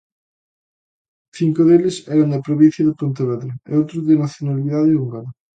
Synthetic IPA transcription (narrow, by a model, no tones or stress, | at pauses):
θiŋkoðelesɛɾand̪apɾoβin̟θjɐðepont̪eβɛðɾoḛowt̪ɾoðenaθjonaliðaðeuŋɡaɾa